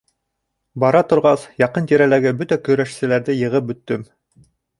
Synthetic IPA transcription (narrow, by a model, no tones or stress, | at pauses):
bɑɾɑt̪ŏɾʁɑsjɑqɤnt̪iɾælæɡɘbɵt̪ækɵ̆ɾæʃsɘ̆læɾðɘjɤ̆ʁɤp̚bɵ̆t̪ːɵm